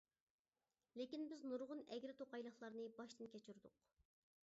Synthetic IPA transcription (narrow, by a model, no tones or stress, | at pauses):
lekʲinbɪznuɾʁʊnɛɡʲɾɪt̪ʰoqɑjlˠəχlˠɑɾnɨbɑʃt̪ɨnkʲʰɛt͡ʃʰyɾd̪ʊq